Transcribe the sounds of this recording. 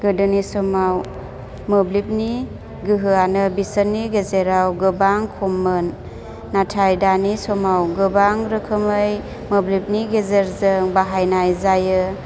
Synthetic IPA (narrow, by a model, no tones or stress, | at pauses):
ɡ̥ɯdɯnisɔmaw | mɯblip̚ni | ɡɯɦɯanɯbisənːiɡezeɾawɡɯbaŋkʰomːɯnː | atʰajdanisɔmawɡɯbaŋɾɯkʰɯmɯj | mɯblip̚niɡezeɾzɯŋbaɦajnajzajɯ